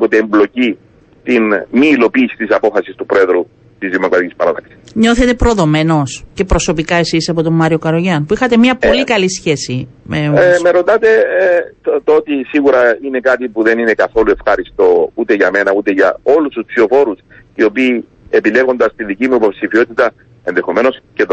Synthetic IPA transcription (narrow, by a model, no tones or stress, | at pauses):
pot̪eːmblo̞ci | t̪inmiːlo̞piːsi̥t̪isɐpo̞fɐsist̪upɾoe̞ðɾu | t̪izðimo̞kɾɐt̪ikʲispɐɾɐt̪ɐksi̥sɲo̞θet̪e̞pɾo̞ðo̞me̞no̞sce̞pɾo̞so̞pikɐe̞sisɐpo̞t̪omːɐɾio̞kɐɾoʝɐnpuixɐt̪e̞mɲɐpo̞likɐlisçe̞simeomeɾo̞t̪ɐt̪e̞ | t̪oot̪isiɣuɾɐine̞kat̪ipuðe̞nine̞kɐθo̞lue̞fxɐɾist̪o̞ut̪e̞ʝɐme̞nɐut̪e̞ʝɐ̰o̞lust̪uspsio̞fo̞ɾus | io̞piː | epile̞ɣo̞nd̪ɐst̪iðicimuipo̞psifio̞t̪it̪ɐ | e̞nðe̞xo̞me̞no̞scet̪